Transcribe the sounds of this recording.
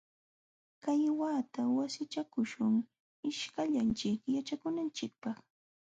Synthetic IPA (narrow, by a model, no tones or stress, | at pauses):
kajwaːt̪awasɪt͡ʃakʊʃʊŋ | ɪʃkaʎant͡ʃɪkjat͡ʃakʊnant͡ʃɪk̚pɑχ